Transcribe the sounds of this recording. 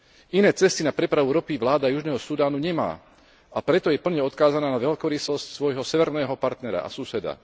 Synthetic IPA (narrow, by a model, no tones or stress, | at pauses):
inɛːt͡sɛst̪inapɾɛpɾaʋuɾɔpiʋlaːd̪ajuʒnɛːɦɔsud̪aːnuɲɛma̰ː | ʔapɾɛt̪ɔjɛpl̩ɲɛɔt̪kaːzanaːnaʋɛlkɔɾisɔscsʋɔjɦɔsɛʋɛɾnɛːɦɔpaɾt̪nɛɾa̰ʔa̰susɛd̪a̰